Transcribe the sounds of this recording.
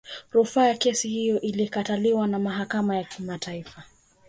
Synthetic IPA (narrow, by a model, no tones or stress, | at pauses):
ɾufaːjakɛsihijɔʔilikataliwanamaɦakamajakʰimatʰaifa